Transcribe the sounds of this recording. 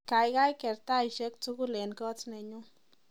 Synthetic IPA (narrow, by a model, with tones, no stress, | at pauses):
ka˨jɡa˦jke˨ɾt̪a˦jʃe˦k̚t͡su˦ɡu˦le˨nko˦t͡sne˨ɲu˦